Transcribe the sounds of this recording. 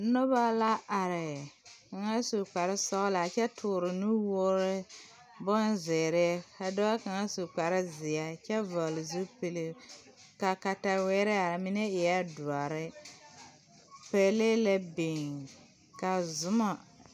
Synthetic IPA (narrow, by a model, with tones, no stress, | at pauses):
nɔ˦ba˦la˦ʔa˨ɾɪ˨ka˨ŋa˦su˨k͡pa˨ɾɪ˦sɔ˦ɣla˨t͡ʃɛ˦tʰʊː˨ɾɪ˨nu˦wɔ˦ɾɪ˦ | bɔ˦nzɛ˨ɾɛ˦ka˨da˦wa˦ka˨ŋa˦su˨k͡pa˨ɾɪ˦zɪ˨a˦t͡ʃɛ˦vɔ˨lɪ˨zu˦pe˨li˦ | ka˨ka˨ta˨wɛ˦ɾɛ˦a˨ɾmi˦nɛ˦ɛ˨a˦du˨a˨ɾɪ˦ | pɛ˦le˦la˦be˨ŋ | ka˨zʊ˦ma˨